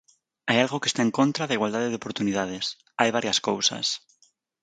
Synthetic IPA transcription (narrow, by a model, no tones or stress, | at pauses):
ajalɣokest̪aẽŋkõnt̪ɾaðaiɣwald̪aðeðeopoɾt̪uniðaðes | ajβaɾjaskowsa̰s